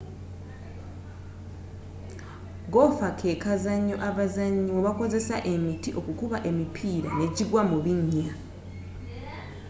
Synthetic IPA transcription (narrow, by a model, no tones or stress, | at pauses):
ɡo̞fakʰe̞kazaɲːoʔaβazaɲːooβako̞ze̞saʔe̞mitiʔo̞kukuβaʔe̞mipʰiːɾa̰ne̞ɟiɡwamuβiɲːa